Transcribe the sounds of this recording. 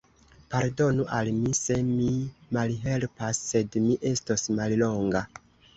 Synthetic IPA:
paɾdo̞nuʔalmise̞mimalɦe̞lpasːe̞dmiʔe̞stosmallo̞ŋɡa

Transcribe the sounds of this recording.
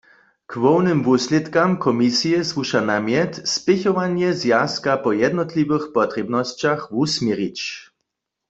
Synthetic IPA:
kvɔwnɨmvuslɛt̪kamkʰɔmisijɛsvuʃanamjɛt̪spɪçɔʋanjɛzjaskapɔjɛd̪nɔt̪liʋɘxpɔt̪rɛbnɔst͡ɕaxusmjɛʁit͡ɕ

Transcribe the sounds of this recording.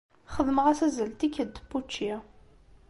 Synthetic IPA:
χəðməʁæsæzəlt̪ikːəd̪pːut͡ʃːi

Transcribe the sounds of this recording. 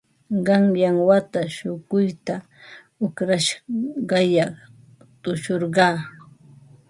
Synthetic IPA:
ɢɑŋjaŋwat̪aʃʊɢʊjt̪a | ʊkɾaʃɢɑjɑχ | t̪ʊʃoɾɢɑː

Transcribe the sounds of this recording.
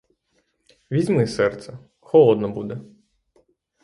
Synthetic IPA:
ʋʲizʲmɪsɛrt̪sɛ | xɔlˠɔd̪nɔbud̪ɛ

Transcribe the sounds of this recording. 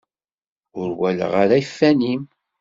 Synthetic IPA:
ʊɾwælə̰ʁaɾæifːænim

